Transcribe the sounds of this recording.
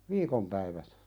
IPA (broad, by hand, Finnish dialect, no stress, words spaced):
ʋiːkom pæiʋæt